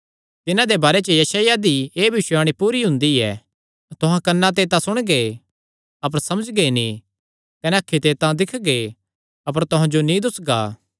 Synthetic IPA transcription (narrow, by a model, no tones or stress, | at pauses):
t̪ɪnãd̪ebaːɾet͡ʃəjɐsaːjad̪ieːbʱɪʃaːɽ̃ipuːɾiɦʊ̃nd̪iɛ̰ː | t̪ʊɦãkɐnːãt̪̬et̪ãsʊɽ̃ɡe | ɐp̬əɾsɐməd͡ʒɡenĩ | kɐnɛɐkʰːit̪et̪ãd̪ɪkʰɡe | ɐp̬əɾt̪ʊɦãd͡ʒonĩd̪ʊsɡaː